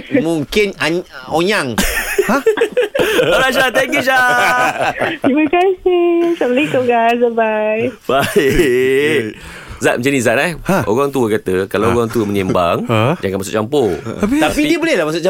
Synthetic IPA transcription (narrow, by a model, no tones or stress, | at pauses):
muŋkɪnaoɲaŋ | alaʃ̬at̪ɛŋkjuʃ̬a | imakasɪhsabəlikoɡasabajbaɪ | zat̪̚mə̃t͡ʃanizaʔ̪̚aʔo̰ɣaŋt̪uəkat̪əkalaoɣaŋt̪uəməɲɛmba̰ŋd͡ʒaŋkanmasʊ̰ʔt͡ʃampoat̪apidiəbolɛhlamas̬ʊʔt͡ʃa